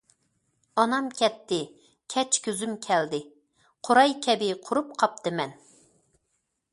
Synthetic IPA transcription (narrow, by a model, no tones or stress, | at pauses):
ɑnɑmkʲʰɛt̪ʰːɪ | kʲʰɛt͡ʃkʲøzymkʲʰɛld̪ɪ | qʰoɾɑjkʲʰɛbɪqʰʊɾup̚qʰɑp̚t̪ʰɨmɛn